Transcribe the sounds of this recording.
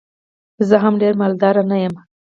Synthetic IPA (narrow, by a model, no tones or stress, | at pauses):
zəɦamɖeɾmald̪ɑɾanajəm